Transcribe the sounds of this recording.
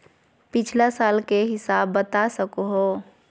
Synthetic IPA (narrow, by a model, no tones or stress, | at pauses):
pɪt͡ʃʰlasaːlkeɦɪsaːbːət̪asəkoɦo